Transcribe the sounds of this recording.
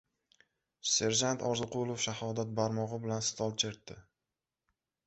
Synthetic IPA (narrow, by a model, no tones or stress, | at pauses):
se̞ɾd͡ʒant̪ʰɒɾzɨqʰʊlˠofʃahɒd̪at̪̚baɾmɒʁɨbɪlansɪ̥t̪ʰɒlˠt͡ʃʰeɾt̪ːɪ